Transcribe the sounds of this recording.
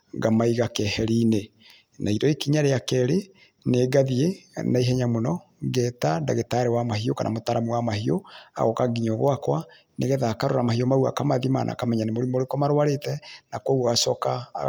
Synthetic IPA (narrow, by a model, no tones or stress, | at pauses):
ɡamaiɣakɛhɛɾine | nʔaidɔekiɲaɾeakɛɾe | neːɡaðienaiɦɛɲamonɔ | ɡɛtadaɣetaɾewamaɦioka̰nʔa̰motaɾamuwamahioa̰ɣɔkaɡiɲɔɣwakwa | neɣɛðaːkaɾoɾamahiomaua̰kamaðima̰nʔa̰kamɛɲanemoɾimoɾekɔmaɾwaɾetɛnakoɣoɣasɔka